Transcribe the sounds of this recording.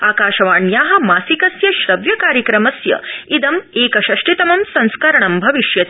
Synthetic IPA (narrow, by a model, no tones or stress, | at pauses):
aːkaːʃɐʋaːɳjaːɦɐ̆maːsikɐsjɐʃɾɐʋjɐkaːɾjɐkɾɐmɐsjɐ̰id̪ɐmeːkɐʃɐʂʈit̪ɐmɐmsɐ̃ñskɐɾɐɳɐmbʱɐʋiʃjɐt̪i